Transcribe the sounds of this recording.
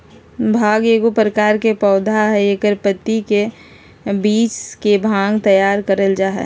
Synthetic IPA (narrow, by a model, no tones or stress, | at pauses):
bʱaːɡeːɡopɾəkaːɾkepɔːd̪ʱaɦɛekəɾpət̪ːike | biːt͡ʃkebʱãːŋɡt̪əjaːɾkəɾəld͡ʒaːɦɛ̰